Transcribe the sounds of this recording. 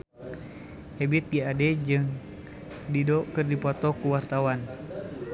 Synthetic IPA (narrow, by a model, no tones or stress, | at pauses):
ɛbit̪̚ɡiadɛd͡ʒɨŋ | didɔkɨrdipɔt̪ɔkuwart̪awan